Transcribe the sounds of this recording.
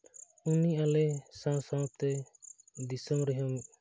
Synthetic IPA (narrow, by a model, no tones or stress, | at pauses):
uniʔalɛsãsap̚t̪ɛ | d̪isəmɾɛɦamuʔ̚